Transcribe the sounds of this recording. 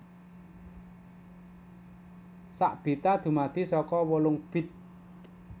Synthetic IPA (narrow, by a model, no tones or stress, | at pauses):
sa̰ʔb̥i̤t̪ad̪̥ṳmad̪̥i̤sɔkɔwolʊŋb̥ɪ̤t̪̚